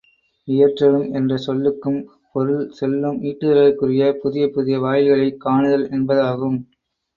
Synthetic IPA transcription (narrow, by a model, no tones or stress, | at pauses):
ɪjɐʈrɐlɯmɛndrɐsɔlːɯkːɯm | pɔɾɯɭsɛlːɯmiːʈːɯðɐlɐɾkɯrɪjɐpʊðɪjɐpʊðɪjɐʋaːjɪlɣɐɭɐɪkːaːɳɯðɐlʔɛnbɐðaːɣɯm